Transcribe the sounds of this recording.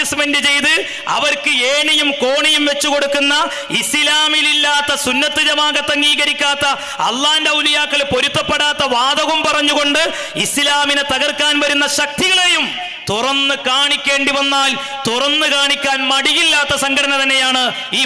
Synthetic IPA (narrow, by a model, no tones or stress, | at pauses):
ɐsmendɨt͡ɕe̞jt̪ɨ | ɐ̰ʋɐrkɨeːnejumko̞ːɳijumʋe̞t͡ɕːuko̞ɽukːunːɐ | islaːmililːaːt̪ːɐsunːɐt̪ːɨðɐmaːɣɐt̪ːɐŋɡiːɣɐɾikʲːaːt̪ːɐ | ɐ̰lːaːhindeulijaːkːɐɭpo̞ɾut̪ːɐpːeɽaːt̪ːɐʋaːd̪ɐɣumpɐrɐɲːuɣo̞ɳɖɨ | islaːminɨt̪ɐɣɐrkːaːnʋɐɾunːɐɕɐk̚t̪iɣɐɭe̞jum | t̪urɐnːɨkaːɳikʲːe̞ːɳɖiʋɐnːaːl | t̪urɐnːɨkaːɳikʲːaːnmɐɽijilːaːt̪ːɐsɐŋɡʱɐɽɐnɐt̪ɐnːe̞jaːɳɨ | iː